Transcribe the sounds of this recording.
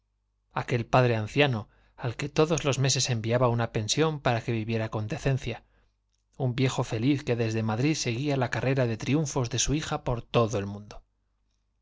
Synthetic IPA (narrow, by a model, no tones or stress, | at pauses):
ake̞lpaðɾe̞an̟θjano̞ | alke̞t̪o̞ðo̞zlo̞zme̞s̬e̞se̞mbiaβaunape̞nsjo̞mpaɾake̞βiβje̞ɾako̞nd̪e̞θe̞nθja | umbje̞xo̞fe̞liθke̞ðe̞zðe̞maðɾiðse̞ɣ̞ialakarʔe̞ɾaðe̞t̪ɾiuɱfo̞zðe̞suixapo̞ɾt̪o̞ðoe̞lmũnd̪o